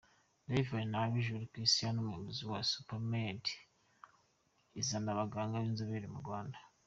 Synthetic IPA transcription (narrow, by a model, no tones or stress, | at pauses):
levanaβiʒuɾikɾistijanomweβuziwasu̥pamedi̥ | izandaβaɡaːŋɡaβinzaβeɾimuɾɡwaːnda